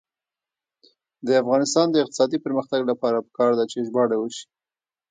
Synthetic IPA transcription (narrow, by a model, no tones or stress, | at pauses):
d̪əafɣɑnɪst̪ɑnd̪əɪq̚t̪ɪ̥sɑd̪ipəɾməxt̪aɡlapɑɾapə̥kɑɾd̪at͡ʃeʒbɑɽawəʃi̥